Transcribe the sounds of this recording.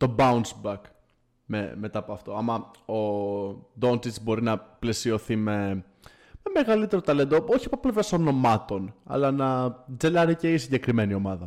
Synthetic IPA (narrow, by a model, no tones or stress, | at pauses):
t̪o̞bɐunsbɐk | mḛme̞t̪ɐːpoɐft̪o̞ɐmɐo | d̪o̞nt̪it͡sbo̞ɾinɐple̞sio̞θime̞ | meme̞ɣɐlit̪e̞ɾot̪ɐle̞nd̪ooçiɐpoplevɾɐso̞no̞mɐt̪o̞nɐ̰lɐnɐd͡ze̞lɐɾiceisiɲɟe̞kɾime̞nio̞mɐðɐ